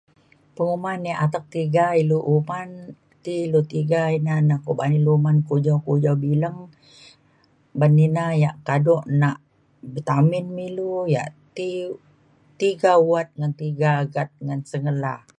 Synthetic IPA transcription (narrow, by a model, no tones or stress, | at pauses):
pəŋumanjaʔat̪ak̚t̪iɡailuʔuman | t̪ilut̪iɡainanakubanilumankud͡ʒawkud͡ʒawbiləŋ | baninajaʔkadɔʔnaʔ | bət̪amɪnmiluja̰ʔt̪i | t̪iɡawat̪̚ŋant̪iɡaːɡat̪̚ŋansəŋəla